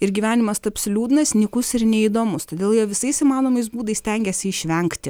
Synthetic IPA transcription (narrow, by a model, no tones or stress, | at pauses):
ɪɾɡʲiʋʲæːnʲɪmɐst̪ɐɐpʲsʲɪlʲuːd̪ʲɪnɐsnʲɪkʊsɪɾnʲɛiːd̪oːmʊst̪oːd̪ʲeːlˠjiɛʋʲɪsɐɪsɪmɑːnoːmɐɪsbuːd̪ɐɪsʲt̪ʲɛŋʲɡʲɛsʲɪɪʃʲʋʲɛŋkt̪ʲɪ